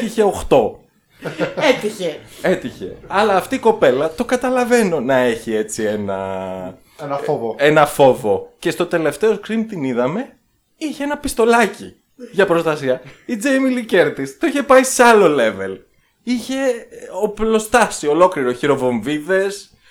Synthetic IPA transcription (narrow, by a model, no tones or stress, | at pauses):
t̪içe̞oxt̪o̞ | et̪içeet̪içe̞̰ɐlɐːft̪iːko̞pe̞lɐt̪okɐt̪ɐlɐve̞no̞nɐe̞çie̞t͡sienɐ̰ | ve̞nɐfo̞vo̞ce̞st̪o̞t̪e̞le̞ft̪e̞oskɾimt̪iniðɐme̞ | içeenɐpist̪o̞lɐci | ʝɐpɾost̪ɐsiɐid͡zejmilice̞ɾt̪ist̪oiçe̞pɐiseɐlo̞le̞ve̞l | içe̞oplo̞st̪ɐsio̞lo̞kliɾoçiɾo̞vo̞ɱviðe̞s